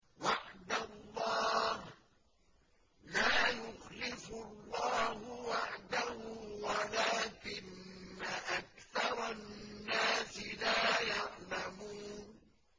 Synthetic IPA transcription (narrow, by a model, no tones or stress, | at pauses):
waʕd̪alˤːɑːh | laːjʊxlɪfʊlːɑːhʊwaʕd̪ahʊwalaːkɪnːaʔakθɑɾˤɑnːaːsɪlaːjɑʕlamuːn